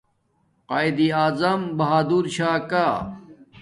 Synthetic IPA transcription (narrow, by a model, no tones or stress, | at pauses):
qaːjd̪iaːzɐmbɐɦaːd̪uːɾɕaːkaː